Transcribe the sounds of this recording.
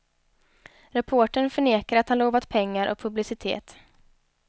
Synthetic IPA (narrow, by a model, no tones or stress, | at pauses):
ɾɛpʰoːʈəɳfœɳeːkaɾat̪hanloːvat̪pʰɛŋːaɾʔɔ̰k̚pʰɵblɪsɪt̪ʰḛːt̪